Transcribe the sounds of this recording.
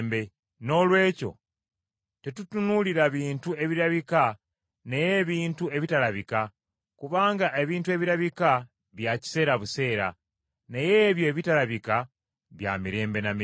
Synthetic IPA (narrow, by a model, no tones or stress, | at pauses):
mbe̞ | no̞lwe̞ːco̞̰ | te̞tutunuliɾaβiːntue̞βiɾaβika | neje̞βiːntue̞βitalaβika | kuβaːŋɡaʔe̞βiːntue̞βiɾaβika | βjaci̥se̞ːɾaβuse̞ːɾa̰ | nejeβjo̞ːβitalaβika | βja̰miɾe̞ːmbe̞nami